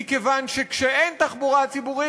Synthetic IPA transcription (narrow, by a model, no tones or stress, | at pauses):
ikevanʃekʃeent̪aχbuʁat͡sibuʁi